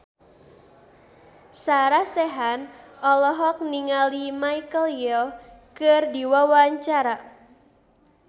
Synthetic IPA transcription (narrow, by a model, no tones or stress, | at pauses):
saɾahsɛɦanʔɔlɔɦɔk̚niŋalimajkəljɔkɨrdiwawaɲt͡ʃaɾa